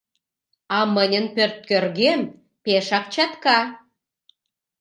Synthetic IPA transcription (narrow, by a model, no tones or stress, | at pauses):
ɑmənʲənpørt̪̚kørɣem | peʃɑk̚t͡ɕɑt̪kɑ